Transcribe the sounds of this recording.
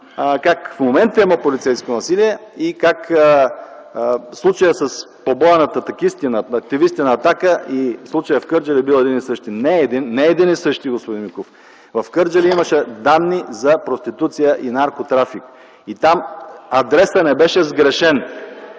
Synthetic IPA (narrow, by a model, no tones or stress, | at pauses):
kakfmomɛnt̪əiməpolit̪sɛjskonɐsiliɛikakə | slˠut͡ʃəjəsəs | pobɔɛnət̪ət̪ɐkist̪inəɐk̚t̪ivist̪inəːt̪akəislˠut͡ʃəjəfkɤɾd͡ʒɐlibilˠɛd̪inisɤʃt̪inɛːd̪inːɛɛd̪inisɤʃt̪iɡospod̪inmikof | vɐfkɤɾd͡ʒɐliiməʃɛd̪anːizɐpɾost̪it̪ut̪sijəʔinaɾkot̪ɾafik | it̪amɐd̪ɾɛsənɛbɛʃɛzɡɾɛʃɛn